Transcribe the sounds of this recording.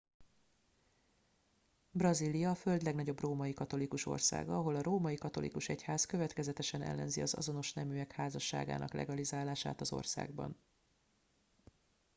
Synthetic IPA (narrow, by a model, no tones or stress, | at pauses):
brɒzilijɒːfø̞ld̪lɛɡnɒɟo̞broːmɒjikɒt̪o̞likuʃo̞̰rsa̰ːɡɒɒɦo̞lɒɾoːmɒjikɒt̪o̞̰lḭkuʃɛchaːzkø̞vɛt̪kɛzɛt̪ɛʃɛnɛ̰lːɛ̰nziɒzɒ̰zo̞no̞ʃnɛmyːɛkhaːzɒʃːa̰ːɡa̰ːnʔɒ̰klʔɛ̰ɡɒlizaːlaːʃa̰ːt̪ɒzo̞̰rsa̰ːɡbɒ̰n